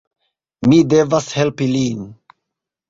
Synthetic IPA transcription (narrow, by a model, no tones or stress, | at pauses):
mide̞vashe̞lpilin